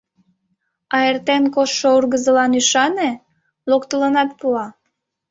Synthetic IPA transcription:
ɑert̪enkoʃːourɣəzəlɑnyʃɑne | lokt̪ələnɑt̪̚puɑ

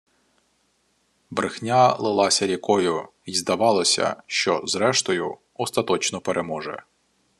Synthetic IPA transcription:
bɾɪxnʲalˠɪlˠɑsʲɐɾʲɐkɔjʊ | izd̪ɐʋɑlˠɔsʲɐ̰ʃt͡ʃɔzɾɛʃt̪ɔjʊ | ɔst̪ɐt̪ɔt͡ʃnɔpeɾʔemɔʒɛ̰

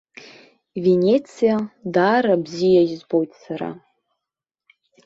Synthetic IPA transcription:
venʲet͡sʰijadaɾabzijaʒzbojtsaɾa̰

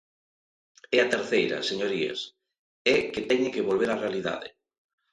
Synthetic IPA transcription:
ɛɐt̪eɾθejɾɐ̰seɲoɾiḛs | ɛket̪ɛɲɪkeβolβeɾarealiða̰ðɪ̰

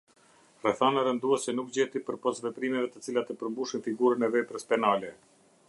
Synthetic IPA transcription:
rɛθanaɾɛnd̪uɛsɛnuk̚d͡ʑɛt̪ipəɾpɔsvɛpɾimɛvɛt̪ət͡silat̪əpəɾmbuʃinfiɡuɾənɛvɛpɾəspɛnalɛ

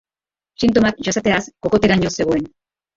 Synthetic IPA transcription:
sint̪o̞mak̚ʝasat̪e̞asko̞ko̞t̪e̞ɾaɲose̞ɣ̞oe̞n

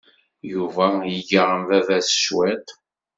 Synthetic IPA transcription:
juvæjəʝəʁəmðævæsə̥ʃwæt̪

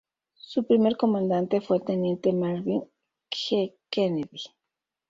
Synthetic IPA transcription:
supɾimeɾkomãnd̪ant̪efwet̪enjent̪emaɾβiŋ | kxekeneði

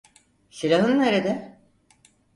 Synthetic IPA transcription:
ʃiɾaɦɯnneɾed̪ɛ

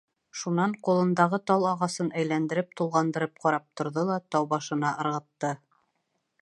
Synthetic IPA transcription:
ʃunɑɴqulˠɤ̆nd̪ɑʁɤt̪ɑlˠɑʁɑsɤnæjlænd̪ɘ̆ɾɘp̚t̪ulˠʁɑnd̪ɤ̆ɾɘp̚qɑɾɑp̚t̪ŏɾðolˠɑt̪ɑwbɑʃɤ̆nɑʔɤ̆ɾʁɤ̆t̪ːɤ

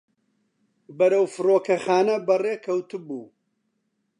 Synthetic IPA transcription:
bɐɾɐwfɨroːkʰɐxaːnɐbɐreːkʰɐwt̪ubṵː

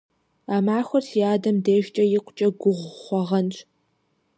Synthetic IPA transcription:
aːmaːxʷɐrtʰiaːdɐmdeːʒt͡ʃʼɐjɪqʷʊt͡ʃʼɐɡʷʊʁʷχʷɔʁɐnt͡ʃʼ

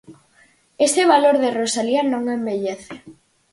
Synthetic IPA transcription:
est̪eβ̞aloɾðerosalianõŋembeʎeθe

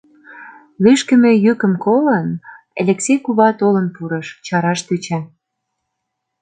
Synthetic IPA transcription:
lyʃkə̆mĕjykə̆mkolən | ḛlʲeksʲejkuβɑt̪olə̆npuɾɤ̆ʃt͡ɕɑɾɑʃt̪yt͡ɕæ

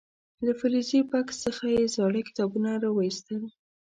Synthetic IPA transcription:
lafɪɾizipaksːəxajezɑɽəkɪ̥t̪ɑbunaɾɑwəist̪əl

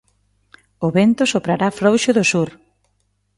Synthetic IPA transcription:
ʊβent̪ʊsopɾaɾafɾowʃʊðʊsuɾ

